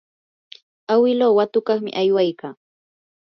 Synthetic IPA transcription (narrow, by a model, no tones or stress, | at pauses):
awɪloːwat̪ʊkɑχmɪ̰ʔajwajkaː